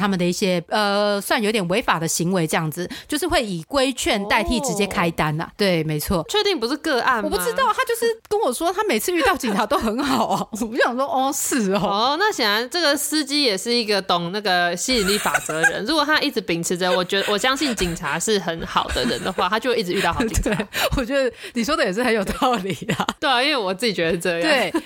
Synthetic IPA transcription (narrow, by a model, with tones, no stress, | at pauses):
t̪ʰa˥mə˨d̪ə˩i˥˩ɕjɛ˥ə˧swa˥˩njo˧ʊt̪jɛ˨˩nwe˧˥ɪfa˨˩d̪ə˦ɕi˧˥ŋwe˧˥ɪʈ͡ʂɤ˥˧jɑ˥˩ŋd͡zɹ̩˨˩t͡ɕjo˥˧ʂɻ̩˥˧xwe˥˩ɪi˨˩kwe˥ɪt͡ɕʰɥɛ˥˧nt̪a˥˧ɪt̪ʰi˥˩ʈ͡ʂɻ̩˧˥t͡ɕjɛ˥kʰa˥ɪt̪a˥nɐ̰˨˩t̪we˥˩ɪme˧˥ɪt͡sʰwɔ˥˩t͡ɕʰɥɛ˥˧t̪i˥˩ŋp̬u˧˥ʂɻ̩˥˧kɤ˥˧ʔa˥˩nwɔ˨pu˥˩ʈ͡ʂɻ̩˥t̪ɑ˥˩ʊt̪ʰa˥t͡ɕjo˥˧ʊʂɻ̩˥˩kə˥nwɔ˨˩ʂwɔ˥t̪ʰa˥me˨˩ɪt͡sʰɹ̩˥˧y˥˧t̪ɑ˥˩ʊt͡ɕi˨˩ŋʈ͡ʂʰa˧˥t̪o˥ʊxə˧˥nxɑ˨˩ʊɐ˧˦ɔ˨˩˧jɑ˨˩ɔ˥ɔ˥˧sɹ̩˥˩ɔ˥˩na˥˩ɕɛ˨˩nɻa˧˥nʈ͡ʂɤ˥˩ɡə˨˩sɹ̩˥t͡ɕi˥jɛ˨˩ʂɻ̩˥˩i˧˥ɡə˨t̪ʊ˨˩ŋna˥˩ɡə˩ɕi˥˧li˥˩fa̰˨˩t͡sɤ˧˦˧ɻə̰˧˦nɻu˧˥kwɔ˨˩t̪ʰa˥ʔi˥˩ʈ͡ʂɻ̩˧˥pi˨˩ŋʈ͡ʂʰɻ̩˧˥d̪ə˧wɔ˨˩t͡ɕɥɛ˧˥ə˧wɔ˨˩ɕjɑ˥ŋɕi˥˩nt͡ɕi˨˩ŋʈ͡ʂʰa˧˥ʂɻ̩˥˩xə˧˦˥nxɑ̰˨˩ʊd̪ə̰˦ɻə̰˧˦nd̪ə˦xwa˥˩t̪ʰa˥t͡ɕjo˥˧ʊ˥˦˥i˥˩ʈ͡ʂɻ̩˧˥y˥˧t̪xt̪we˥˩wɔ˨˩t͡ɕɥɛ˧˦˥d̪ə˧ni˨˩ʂwɔ˥d̪ə˨jɛ˨˩ʂ̬̩˥˩xə˧njo˨˩ʊt̪ɑ˥˩ʊli˨˩ɐ˦we˥˩˧i˦nwe˥˩ɪwɔ˨˩t͡sɹ̩˥˩t͡ɕi˨˩t͡ɕɥɛ˧˥d̪ʈ͡ʂɤ˥˧jt̪we˥˩ɪ